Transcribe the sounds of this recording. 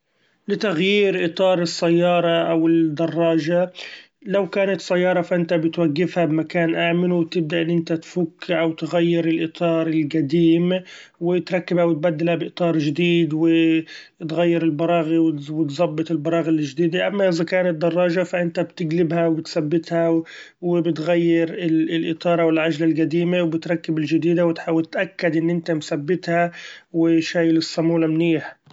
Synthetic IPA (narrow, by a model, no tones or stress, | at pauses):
lɪt̪aɣjiːɾʔɨt̪ˤɑːɾˤɨsːajːɑːɾˤɑʔawɪd̪ɑrˤːɑːʒa | lawkaːnat̪sːajːɑːɾˤɑfaʔɪnt̪abɪt̪waɡːɪfhabɪmakaːnʔaːmɪluwt̪ɪb̚d̪aʔɪnːʔɪnt̪at̪fukːɪʕawt̪ɪɣajːɪɾɪlʔɨt̪ˤɑːɾˤɪlɡad̪iːmwɪt̪ɾˤɑkːɪbhawɪt̪̚bad̪ːɪlhabɪʔt̪ˤɑːɾˤʒɪd̪iːd̪wɪ | t̪ɣajːɪɾɪlbɑɾˤɑːɣiwwɪt̪zˤɑbːɨt̪ˤɪlbɑɾˤɑːɣalːɪʒd̪iːd̪iʔamːaʔɪzakaːnɪt̪d̪ːɑrˤːɑːʒafaʔɪnt̪abt̪ɪɡlɪbhawbɪt̪sabːɪt̪ha | wɪbɪt̪ɣajːɪɾɪlɪlʔɨt̪ˤɑːɾˤɑwɪlʕad͡ʒlalɡad̪iːmawbɪt̪ɾˤɑkːɪbɪld͡ʒɪd̪iːd̪awɪt̪ħawt̪ʔakːad̪ʔɪnːʔɪnt̪amθabːɪt̪hawɪʃaːjɪlɪsˤːɑmuːlamniːħ